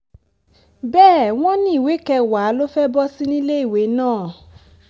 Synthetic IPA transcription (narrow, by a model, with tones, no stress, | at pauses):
bɛː˦˨w̃ɔ̃˦nĩ˦i˦˨we˨˦kɛ˧wa˨˦lo˦fɛ˦bɔ˦si˦nĩ˦le˦i˨we˨˦nãː˦˨